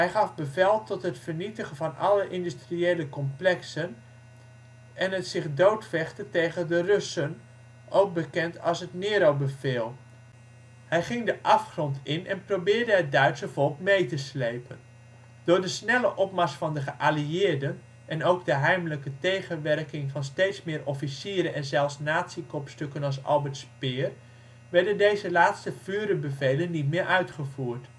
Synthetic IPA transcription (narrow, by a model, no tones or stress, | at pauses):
ɦɛjχɑfbəvɛlˠtɔtɦətfərnitəχənvɑnʔɑləʔɪndystrieːləkɔmplɛksən | ɛnətsɪχdowtfɛχtətejɣəndərøsən | ʔowk̚bəkɛntʰɑlˠsɦətnɪːɾowbəvɪːlˠ | hɛjχɪŋdəʔɑfχrɔntʰɪnɛ̰nprowbɪːrdəɦət̚dœɥtsəv̥ɔlˠkmejtəslejpən | d̥ʊːɹdəsnɛləʔɔpmɑsfɑndəχəʔaliɪːɹdən | ʔɛnowɡdəɦɛjmələkətejχənʋɛrkɪŋvɑnstejtsmɪːɾɔfisiːɾəʔɛnzɛlˠfsnaːtsikɔpstøkənɑlˠsɑ̰lˠbɛɹtspɪːr | ʋɛɹdəndejzəlaːtstəv̥yːɾənbəvejlənːitmɪːɹʔœɥtχəvuːɹt